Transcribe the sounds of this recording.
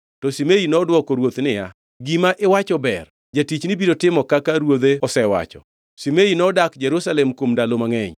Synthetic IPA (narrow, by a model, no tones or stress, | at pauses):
tɔsimejinɔːdwɔkɔɾwot̪nɪja̰ | ɡimaʔɪwat͡ʃɔbɛr | d͡ʒatit͡ʃnɪbidotɪmɔkakaɾwod̪eɔsɛwa̰t͡ʃɔ̰ | simeinɔdakd͡ʒɛɾusalɛmkomdalomaŋɛɲ